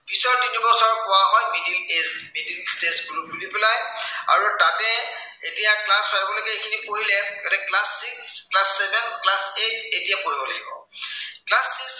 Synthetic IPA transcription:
pisɔɹtinibɔsɔɹkɔwaɦɔjmidilezmedilstesbulupulipɛlaja̰ɹutatɛ | etijaklaspʰaɦibɔlokɛikʰinipoɦilɛkɛtɛklasːiksklasːɛbɛnklasetetijapoɦibɔlaɡibɔ̰ | klasːiks

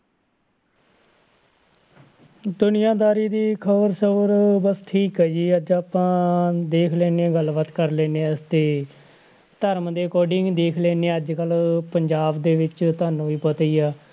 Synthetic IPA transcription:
d̪ʊnɪjãːd̪aːɾiːd̪iːkʰəbəɾsəbəɾbəsʈʰiːkɦɛːd͡ʒiːəd͡ʒaːpãːd̪eːkʰlɛːneːɡəlbət̪kəɾlɛːneːəst̪eː | t̪əɾmd̪eːkoːɖɪŋɡd̪eːkʰlɛːneːəd͡ʒkəlpəɲd͡ʒaːbd̪eːʋɪt͡ʃt̪aːnũːiːpət̪iːaː

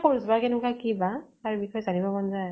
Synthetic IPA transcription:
pʰoɹzbaɹkɛnukakibataɹubixʰɔjɔzanibɔbɔnzaj

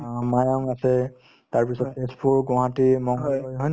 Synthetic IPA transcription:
majɔŋasɛ | taɹpisɔtpʰespuɡɔ̃ɦatimɔŋɔojɦɔjn

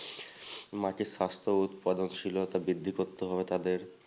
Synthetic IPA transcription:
mãkiʃast̪ʰout̪pad̪ont͡ɕʰilot̪abid̪ʱːikoɾt̪ːeɦɔbet̪ad̪eɾ

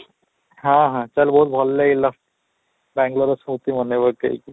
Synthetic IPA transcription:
ɦãɦãt͡ɕalbɔut̪̚bʱɔlːailaf | bæ̃ŋɡloɾəsmut̪im̤əneʋəɾkḛḭk

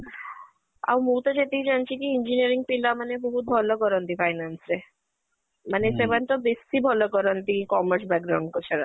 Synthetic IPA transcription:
a̰wmut̪ɔd͡ʑet̪eɦid͡ʑant͡ɕʰikiind͡ʑiniəɾiŋɡ̚pilamanebɔɦut̪̚bʱɔlɔkɔɾɔnt̪ifajnansɾe | manesemant̪ɔbesibʱɔlɔkɔɾɔnt̪ikɔməɾs̬bɛk̚ɡɾawɳɖ̚kɔt͡ɕʰeɽa

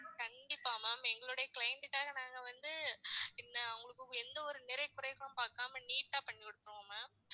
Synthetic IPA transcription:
kɐɳɖɪpːaːmaːmɛŋɡɐɭɯɽɐjɐkɭɐɪɳʈɪʈːaːɣɐnaːŋɡɐʋɐnd̪ɯɪnːɐɐʊŋɡɐɭɯkːɯɛnd̪ɐɔɾɯnɪɾɐɪkːʊɾɐɪɣɐɭɯ̃mpaːkaːmɐniːʈːaːpɐɳːikɔɽɯt̪ːɯɾɯ̃aːmɐ

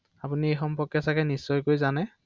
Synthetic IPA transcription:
apuniejxɔmpɔkjɛsakɛnisːɔjkojzanɛ

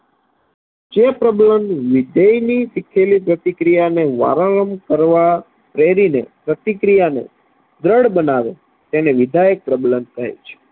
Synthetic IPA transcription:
d͡ʒepɾəbləmʋid̪ejnisikʰelipɾət̪ikɾijaneʋa̰ɾəɭəmkəɾʋa | pɾeɾinḛpɾət̪ikɾijanḛ | d̪ɾəɽbənaʋe | t̪eneʋid̪ʱajək̚pɾəbləmt̪ʰə̰jt͡ʃʰe̥

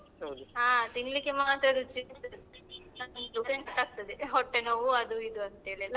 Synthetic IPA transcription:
ɦodaːt̪iŋɡlikemaːt̪ɾɐɾut͡ʃit̪ɐnɐnɐŋusenkɐʈːaːk̚t̪ɐd̪eɦɔʈːenɐʋuɐd̪uid̪uɐnt̪ɐeːɭila

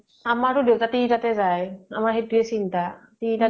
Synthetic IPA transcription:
amaɹtʊdewtatitatɛzaja̰maɹhetuɛsintatita

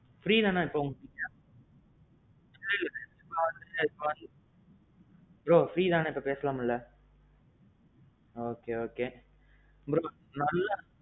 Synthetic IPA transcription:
fɾiːd̪ãːnãːɪpːoʊŋɡɐkiːʈːãː | ɐlːɐɪlːɐpeɐmaːʋɐnd̪ɯɪpːoɐn | bɾoːfɾiːd̪ãːnãːɪpːopeːsɐlaːmɪlːɐ | oːkeːoːkeː | bɾoː | nɐlːa

